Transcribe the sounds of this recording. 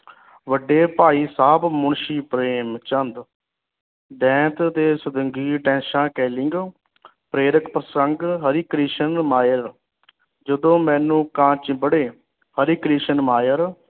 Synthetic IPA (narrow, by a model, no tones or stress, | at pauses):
ʋəɖːeːpaːiːsaːbmʊɳʃiːpɾeːmt͡ʃənd̪ | d̪ɛ̃ːt̪t̪eːsʊd̪əŋɡiːʈɛ̃ːnʃãːkɛːlɪŋɡ | pɾeːɾəkpɾəsəŋɡɦəɾiːkɾiːʃənmaːjəɾ | d͡ʒəd̪õːmɛ̃ːnũːkãːt͡ʃbəɽeː | həɾiːkɾiːʃənmaːjəɾ